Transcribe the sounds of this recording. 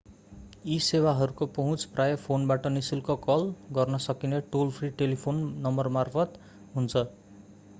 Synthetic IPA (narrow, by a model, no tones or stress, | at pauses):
isewaɦʌɾukopʌɦũt͡sprajʌpʰonbaʈʌnisilkokʌlɡʌrnʌsʌkineʈolpʰriʈelipʰonːʌmbʌrmarpʰʌt̪ | ɦunt͡sʰʌ